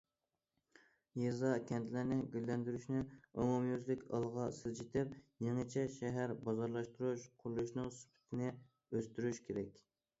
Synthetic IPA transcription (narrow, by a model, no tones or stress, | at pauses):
jezɑkʲʰɛnt̪ʰlɪɾnɪɡʲylːɛnd̪yɾyʃnɪumumjyzlɪkʲɑ̰lˠʁɑsɪzd͡ʒit̪ʰɪp̚jeŋɨt͡ʃʰɛʃɛɦæɾbɑzɑɾlˠɑʃt̪uɾuʃqʰʊɾlˠuʃnɨŋsy̥pʰɪ̥t̪ʰɪnɪ | øst̪yɾyʃkʲʰeɾɛkʲ